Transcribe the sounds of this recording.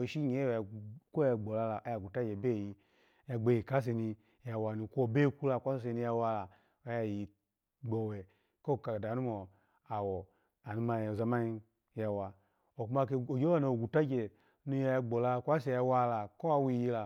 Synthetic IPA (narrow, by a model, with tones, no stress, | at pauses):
ʃi˦ɲe˨˦˨ko˦a˧ɡ͡bɔ˨la˧la˨ʔja˨ɡu˨ta˦d͡ʒe˨be˦˨ji˧ | ja˧ɡ͡be˧˨ji˨ka˨˦s̬e˧˨ni˧ | ja˧wa˧ni˧kʷo˦˧be˦ku˦la˧˨kʷa˦ss̬e˧˨ni˧ja˧wa˧la˨ | o˨ja˧˨ji˨ | ɡ͡bɔ˨wɛ˨ | ko˦˨ka˨da˨nu˦mɔ˨ | a˨wɔ˨ | a˨nu˨˦ma˧˨o˨za˧ma˦ɲi˧ | ja˧wa˧ | o˨ku˧ma˧ke˧o˨d͡ʒo˦a˦no˨o˨ɡu˨ta˦d͡ʒe˨ | nu˧˦ja˧ja˧ɡ͡bɔ˨la˧˨kʷa˦s̬e˧˨ja˧wa˧la˨ko˦a˧˦wi˧˨ji˧la˨